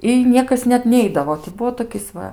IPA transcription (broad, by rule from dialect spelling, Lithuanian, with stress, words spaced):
ɪ ˈnʲiɛkɐs nʲɛt ˈnʲɛɪdɐʋoː tʲɪ ˈbʊʋoː toːˈkʲɪs ˈʋɐ